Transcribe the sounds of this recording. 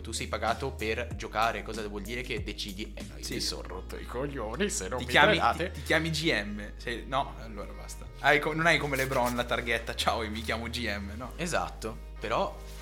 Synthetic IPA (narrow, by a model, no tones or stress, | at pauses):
t̪usɛjpaɡaːt̪operd͡ʒokaːɾekɔːzavwɔld̪iːɾeked̪ːet͡ʃiːd̪ienːo̰jsiso̰rro̰t̪ːo̰ḭkoʎːoːnisenɔijaːmia̰ːt̪et̪ikjaːmid͡ʒiɛmːesɛjnɔalːoːɾa̰bast̪aajkononajkomelebɾɔnlat̪arɡɛt̪ːat͡ʃaːoiomikjaːmod͡ʒiɛmːenɔeza̰t̪ːo | peɾɔ